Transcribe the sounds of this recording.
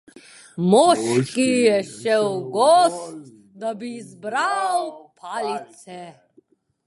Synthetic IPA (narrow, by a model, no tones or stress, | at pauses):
mɔʃkijɛʃɛwɡɔst̪ | d̪abizbɾawpʰalit̪sɛ